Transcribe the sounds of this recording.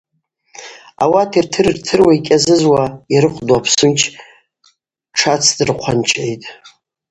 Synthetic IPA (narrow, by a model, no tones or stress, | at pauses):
a̰watʰirtʰɨrɨrtʰɨrwaikʲʼazɨzwaiɾɨχʰʷdwapʰsɨnt͡ʃʰ | ʈ͡ʂʰat͡sʰdɨrqʷʰant͡ʃʼejtʼ